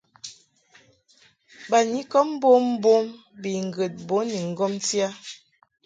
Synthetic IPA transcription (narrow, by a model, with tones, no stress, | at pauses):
ba˨ni˨˦kɔ˦m˦bo˦m˦bo˦m | bi˨ŋ̩˨ɡə˨t̚bo˨˦ni˨ŋ̩˦ɡɔ˦mti˦a˦